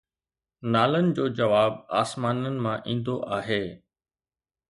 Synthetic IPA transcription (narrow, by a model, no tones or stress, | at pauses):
naːlənɪ̆d͡ʑoːd͡ʑɐʋaːb̚aːsmaːnənɪ̆mãʔĩːn̆d̪oʔaːɦeː